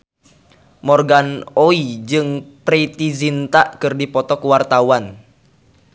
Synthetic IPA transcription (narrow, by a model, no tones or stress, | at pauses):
mɔrɡanoid͡ʒɨŋpɾit̪izint̪aʔkɨrdipɔt̪ɔkuwart̪auwan